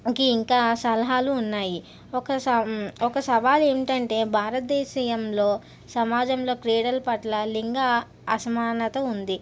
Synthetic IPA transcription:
ikiːŋkaːsɐlɐɦaːluːnːaːji | ɔkɐsɔkɐsɐʋaːle̞ːmiʈɐɳʈe̞ːbʱaːɾɐt̪̚d̪eːʃiːjɐmlo̞ː | sɐmaːd͡ʒɐmlo̞ːkɾeːɽɐlpɐʈlɐliŋɡaː | ɐsɐmaːnɐt̪ɐund̪i

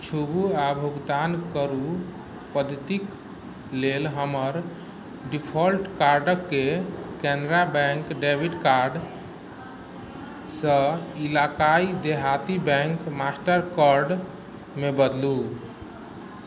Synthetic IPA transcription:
t͡ʃʰubuabʱuɡd̪ankəɾu | pəd̪ʱət̪ik | lelɦəməɾ | ɖipʰəlʈkaɾɖəkːekɛnɾabɛ̃ŋkɖebʱiɖkaɾɖ | sə̃ilakaid̪eɦat̪ibɛ̃ŋkmasʈəɾkəɾɖ | mebəd̪lu

